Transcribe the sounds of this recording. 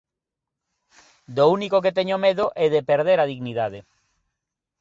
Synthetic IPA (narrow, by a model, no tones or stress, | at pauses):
d̪ounikok̬et̪eɲomeðoʔɛðepeɾðeɾaðiɣniðaðe